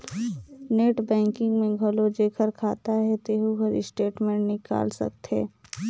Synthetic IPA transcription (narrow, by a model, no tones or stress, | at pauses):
neːʈbɛ̃ːŋkɪ̃ŋɡmẽɡʱɐlod͡ʒeːkʰəɾkʰaːt̪aɦɛt̪eːɦuɡʱɐɾɪsʈeːʈmẽːɳʈnɪka̰ːlsɐ̰kt̪ɦɛ̰ː